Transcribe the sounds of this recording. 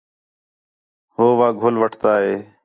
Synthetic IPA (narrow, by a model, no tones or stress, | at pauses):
ɦoːʋaːɡʱʊlʋəʈʰt̪aːɦeː